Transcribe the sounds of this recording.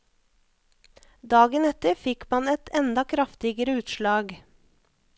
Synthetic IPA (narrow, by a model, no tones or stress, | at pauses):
d̪ɑːɡənɛt̪əɾfɪkmɑnɛt̪ʰɛnd̪ɑkʰɾɑft̪ɪɡəɾəʉːt̪ʃlɑːɡ